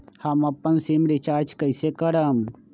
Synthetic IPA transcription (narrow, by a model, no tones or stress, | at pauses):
hɐmɐpːənsimɾit͡ʃaːɾd͡ʒkəɪsekəɾəm